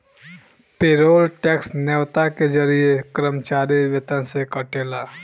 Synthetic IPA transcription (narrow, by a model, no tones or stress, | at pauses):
pɪɾoːlʈɛːksnɛwt̪aked͡ʒɐɾiekɾəmt͡ʃaːɾiʋɪt̪ə̃nsekɐʈeːlaː